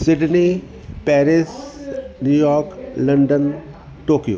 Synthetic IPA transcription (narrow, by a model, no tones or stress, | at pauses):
sɪɖni | pɛːɾɪsnjuːjɔːɾklɐɳɖən | ʈoːkijo̰